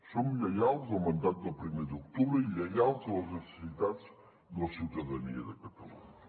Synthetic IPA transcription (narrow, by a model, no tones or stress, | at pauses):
sõmʒleɣalˠzɐwmɐ̃nd̪at̪uðɐpɾimejɾðot̪uβɾɐilɛɣalˠzaɐʒnɨsɨ̥siðaðʃ | nɐsiwðɐðɐnḭɐðɐkɐt̪ɐlˠṵɲɐ